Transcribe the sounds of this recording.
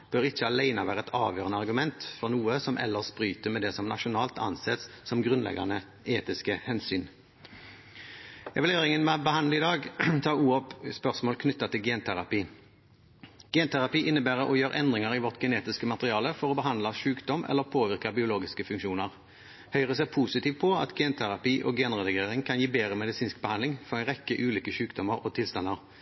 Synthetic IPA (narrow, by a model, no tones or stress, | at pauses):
b̥øːʁɪçːəɑlæɪnɑʋæːʁəɛt̪ʰɑːʋjøːʁənəɑʁɡʉmɛnt̪fɔʁnuːəsɔmʔɛ̰lːəʁspʁyːt̪əmɛd̪ɛsɔmnɑʃʊnɑːlt̪ɑ̰nsɛt̪sːɔmɡʁʉnlɛ̰ɡɑ̰nə | eːt̪ɪskəhɛnsyːn | ɛʋɪleːʁɪŋənmɛbəhɑnd̪ləɪd̪ɑːɡt̪ʰɑːuːɔpspœʁsmoːlkʰnʏt̪ːɑt̪ɪlɡɛːnt̪ʰæʁɑpiː | ɡ̥eːnt̪ʰæʁɑpiːʔɪnːəbæːʁəʔɔjøːɾʔɛnd̪ʁɪŋɑʁiʋɔʁt̪ɡəneːt̪ɪskəmɑt̪əʁɪɑːləfɔʁɔːbəɦɑnd̪lɑʃʉːkd̪ɔmʔɛ̰lːəʁpʰoːʋɪʁkəbɪʊloːɡɪskəfʉŋkʃuːnəʁ | hœʏʁəsɛpʰuːsɪt̪iːʋpʰɔɑ̰t̪ɡɛːnt̪ʰæʁɑpiːʔɔːɡeːnʁɛd̪əkʰeːʁɪŋkʰɑnjiːbeːʁəmɛd̪ɪsiːnsk̚bəhɑnd̪lɪŋfɔʁɛɪnʁɛkːəʔʉːliːkəʃʉːkd̪ɔməʁɔːt̪ʰɪlst̪ɑnːɑʁ